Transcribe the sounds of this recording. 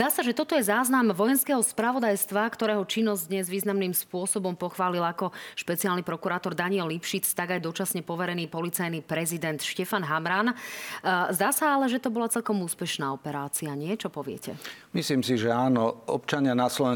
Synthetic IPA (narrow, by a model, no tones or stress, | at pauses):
zd̪aːsaʒɛt̪ɔt̪ɔjɛzaːznamʋɔjɛnskɛːɦɔspɾaʋɔd̪ajst̪ʋakt̪ɔɾɛːɦɔt͡ʃinːɔzd̪ɲɛzʋiːznamniːmspʊɔsɔbɔmpɔxʋaːlilakɔʃpɛt͡siaːlnipɾɔkuɾaːt̪ɔɾd̪aɲiɛlːipʃit͡st̪aɡajd̪ɔt͡ʃasɲɛpɔʋɛɾɛniːpɔlit͡sajniːpɾɛzid̪ɛnt̪ʃcɛfanɦamɾaːn | zd̪aːsaalɛʒɛt̪ɔbɔlat͡sɛlkɔmuːspɛʃnaːɔpɛɾaːt͡siaɲɪɛt͡ʃɔpɔʋɪɛ̰cʰɛ̰misliːmsiʒɛaːnɔɔ̰pt͡ʃaɲɪanaslɔʋɛ